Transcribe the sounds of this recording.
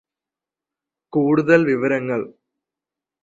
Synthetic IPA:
kuːɽuðɐlʋiʋɐɾɐŋːɐɭ

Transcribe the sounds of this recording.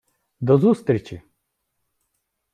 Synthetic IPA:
d̪ɔzust̪ɾʲit͡ʃi

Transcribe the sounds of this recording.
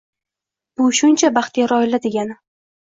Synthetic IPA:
b̥ʊʃʊnt͡ʃʰabaχt̪ʰijaɾɒjɪlad̪e̞ɡʲanɪ

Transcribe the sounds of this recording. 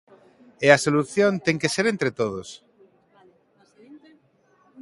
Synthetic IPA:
easoluθjõnt̪eŋkeseɾent̪ɾet̪oð̞os

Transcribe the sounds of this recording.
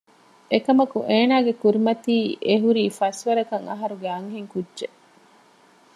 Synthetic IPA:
ekɐmɐkuʔeːnaːɡekuɾimɐt̪iːʔeɦuɾiːfɐsʋɐɾɐkɐŋɐɦɐɾuɡeɐŋɦeŋkudːʒe

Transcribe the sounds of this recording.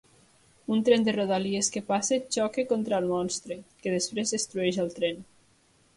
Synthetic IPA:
unt̪ɾɛnd̪eroðalieskepaset͡ʃɔkekont̪ɾaːlˠmɔnst̪ɾekeðespɾezest̪ɾuɛʒalˠt̪ɾen

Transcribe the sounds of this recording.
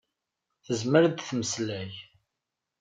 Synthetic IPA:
θəzməɾd̪θməslæj

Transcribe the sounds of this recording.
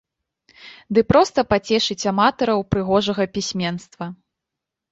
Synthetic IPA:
d̪ɨpɾɔst̪ɐpat͡sʲɛʂɨt͡sʲamat̪ɐɾɐwpɾɨɣɔʐɐɣɐpʲisʲmʲɛnst̪vɐ

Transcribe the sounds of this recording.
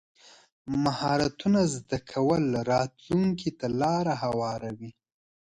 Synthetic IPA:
mahɑɾat̪unazd̪akʰawəlɾɑt̪luŋkit̪alɑɾaɦawɑɾawi

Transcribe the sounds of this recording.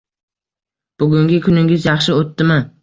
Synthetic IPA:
b̥ʊɡʲʊŋɡʲɪkʲʰʊnɪŋʲɪzjɑχʃɪot̪ːɪmɪ

